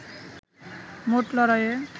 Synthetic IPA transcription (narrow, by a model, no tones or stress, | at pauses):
moʈlʌɾʌje